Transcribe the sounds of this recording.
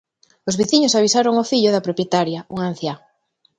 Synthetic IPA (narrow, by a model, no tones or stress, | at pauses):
ozβiθiɲosaβ̞isaɾoŋofiʎʊðɐpɾopjet̪aɾjɐuŋan̟θja